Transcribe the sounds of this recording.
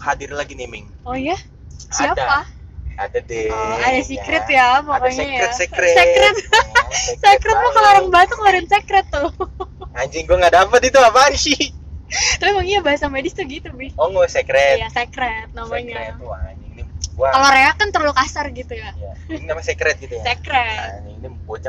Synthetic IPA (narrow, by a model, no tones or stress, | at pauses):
hadɪrlaɡinimɪŋ | ɔja | siadpaa̰dadeadasikɾɪt̪jamamaɲajɾɛsɛkɾɛsekɾɛt̪̚ | sekɾɛt̪̚makəlaɾaŋbat̪ʊk̚laɾɪnsekɾɛt̪ːʊ | aɲd͡ʒɪŋɡuaŋɡadapət̪̚it̪uapasi | t̪apimaŋiɲabaɦasamedɪst̪uɡit̪ubɪhɔŋosekɾɛjasekɾɛt̪̚namaɲaɛt̪wanɪŋniuaaloɾeakant̪ərlʊkasarɡit̪ujajaamasɛkɾɛt̪̚ɡit̪ujasekɾɛniniməpot͡ʃa